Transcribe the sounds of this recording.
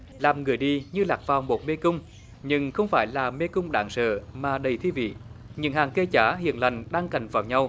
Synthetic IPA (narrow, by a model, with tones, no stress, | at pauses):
laː˨˩mŋɨ˨˩əjɗi˧ɲɨ˧laː˨˩k̚vaː˨˩wmo˨˩t̚me˧kʊ˧ŋ͡m | ɲɨ˧ŋxə˧wŋ͡mfaː˧˦jlaː˨˩me˧kʊ˧ŋ͡mɗa̰ː˧˦ŋsə̰ː˧˨maː˨˩ɗə˨˩jt̪ʰi˧vḭ˧˨ɲɨ̰˧˥ŋhaː˨˩ŋke˧t͡ɕaː˧˥ɦḭ˧˨ənla˨˩jŋ̟ɗaː˧ŋka˨˩jŋ̟vaː˨˩wɲa˧w